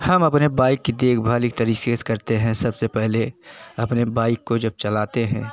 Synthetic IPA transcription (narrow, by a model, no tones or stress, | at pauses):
hɐmɐpnebaːɪkːid̪eːkʰbʱaːlik̚t̪ɐɾiːseskɐɾt̪eɦɛ̃sɐbsepɛɦleɐpnebaːɪkːod͡ʒɐb̚t͡ʃɐlaːt̪eɦɛ̃ː